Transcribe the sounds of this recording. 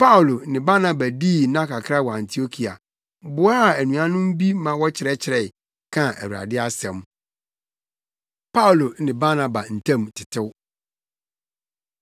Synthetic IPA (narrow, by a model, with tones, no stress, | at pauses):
pa˦ʊ˨lo˨nɪ̃˨ba˦nã˨ba˨diː˦˨nã˦kʰa˨kʰɾa˦˨wɔ˨ã˨ntʰi˨o˦kʰi˨a̰˨ | bʊ˨a˦˨æ˨nũ˨ã˦nʊ̃˦m̩˦bi˦mã˨wɔ˦t͡ɕʰɪ˨ɾɛ˦t͡ɕʰɪ˨ɾɛ˨ | kʰã˦æ̰˨wu˨ɾa̰˨dɪ˦a˦sɛ̃˨m | pʰa˦u˨lo˨nɪ̃˨ba˦nã˨ba˨n̩˨tʰã˦˨mtʰɪ̥˨tʰɪ˦w